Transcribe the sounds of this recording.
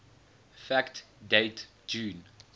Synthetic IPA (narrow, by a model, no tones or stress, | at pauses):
fækt | deɪt | d͡ʒũːn